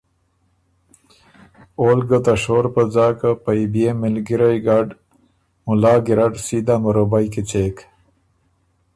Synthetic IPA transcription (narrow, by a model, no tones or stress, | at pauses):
olɡət̪aʂoːɾpəd͡zaːkapajbjemɪlɡiɾajɡaɖ | mʊlɑːɡiɾaʈsid̪aməɾobajket͡ɕek